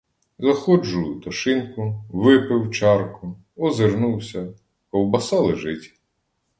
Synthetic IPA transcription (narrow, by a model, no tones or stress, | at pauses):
zɐxɔd͡ʒʊjʊt̪ɔʃɪnkʊʋɪpɪwt͡ʃɑrkʊ | ɔzɪɾnuwsʲɐ | kɔwbɐsɑlˠɪʒɪtʲ